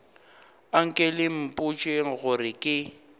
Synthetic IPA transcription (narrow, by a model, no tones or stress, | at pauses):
aŋ̩kʼelɪm̩pʼut͡ʃʼweŋ̩ɣʊrɪkʼɪ